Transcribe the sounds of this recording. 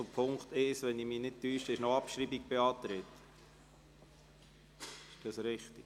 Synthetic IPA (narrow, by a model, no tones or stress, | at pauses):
ʊpʰʊŋkt̪ɪʃʋɛnimiːnɪd̚tyːʃtəɪʃnoɑpʃɾibik̚b̥eɑːt̪ɾɪt̪ | ɪʃd̥ɑsɾɪχt̪i̥